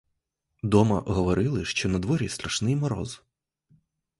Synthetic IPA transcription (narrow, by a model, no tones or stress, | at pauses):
d̪ɔmɐ̰ɦɔʋɔɾɪlˠɪʃt͡ʃɔnɐd̪ʋɔɾʲist̪ɾɐʃnɪjmɔɾɔ̰z